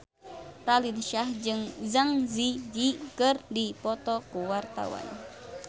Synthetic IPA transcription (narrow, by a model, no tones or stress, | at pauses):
ɾalinʃahd͡ʒɨŋzaŋzid͡ʒikərdipɔt̪ɔkuwart̪a̰wa̰n